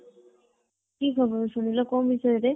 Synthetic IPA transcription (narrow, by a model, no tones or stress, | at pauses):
kikʰɔboɾʃunilokɔmbʱiʃɔjeɾe